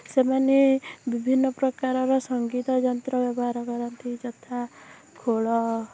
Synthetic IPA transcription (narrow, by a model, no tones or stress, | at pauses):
semanebibʱinːɔpɾɔkaɾɔɾɔsɔŋɡit̪ɔd͡ʒɔnt̪ɾɔbjɔbɔɦaɾɔkɔɾɔnt̪id͡ʒɔt̪ʰa | kʰoɭɔ